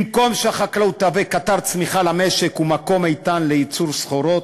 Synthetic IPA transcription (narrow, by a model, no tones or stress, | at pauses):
mko̞mʃeaχaklaut̪avekataʁt͡smiχalame̞ʃekumako̞majt̪anleit͡suʁsχoɾo̞t̪